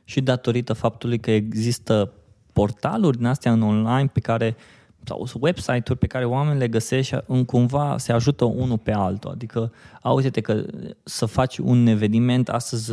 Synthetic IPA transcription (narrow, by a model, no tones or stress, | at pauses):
ʃid̪at̪o̞ɾit̪əfap̚t̪ulujkəeɡzist̪ə | po̞rt̪a̰lurʲd̪inast̪ejaɨno̞nlajnpe̞kaɾe̞ | sa̰wwe̞bsajt̪urʲpe̞kaɾe̞oame̞nile̞ɡəse̞ʃt̪ɨŋkumvase̞aʒut̪əʔunupe̞alt̪ua̰d̪ikəauzet̪ekəsəfat͡ʃʲṵne̞ve̞nime̞nt̪a̰st̪əzʲ